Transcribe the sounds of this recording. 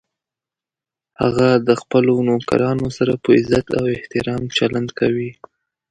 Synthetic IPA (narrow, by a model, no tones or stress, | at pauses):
ha̰ɣad̪əxpəlonoka̰ɾɑnosaɾapəɪzat̪awɪht̪ɪɾɑmt͡ʃaland̪kawi